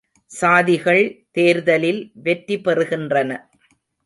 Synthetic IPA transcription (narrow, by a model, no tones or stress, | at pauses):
saːðɪɣɐɭt̪eːɾðɐlɪlʋɛʈːipɛrɯɣɪndrɐnɐ